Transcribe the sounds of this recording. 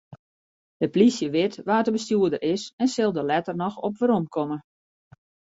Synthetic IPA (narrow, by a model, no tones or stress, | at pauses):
dəplisjəʋɪtʋaːtəbəstjuədəɾɪsɛnsɪlˠdəlɛtərnɔxɔpʋəɾomkʰɔmə